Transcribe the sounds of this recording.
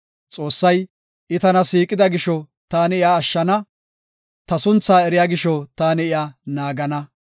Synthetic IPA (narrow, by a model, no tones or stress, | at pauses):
t͡sʼo̞ːsːɐj | ɪt̪ɐnɐsiːkʼɪd̪ɐɡɪʃɔ | t̪aːnɪɪjaːʃːɐnɐ | t̪ɐsʊnt͡sːaːɛɾɪjaːɡɪʃɔt̪aːnɪɪjaːnaːɡɐnɐ